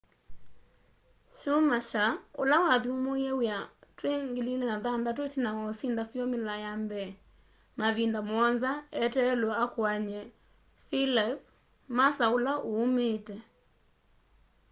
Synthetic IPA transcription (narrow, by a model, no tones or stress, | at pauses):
ʃomaʃaolawaðumoɛwjatweŋɡelilɛnaðandat̬otinawasindafjɔmɪlajambɛ | maβindamɔnzaɛtɛlɔakwaɲɛ | filip̚ | masaolaʔoːmetɛ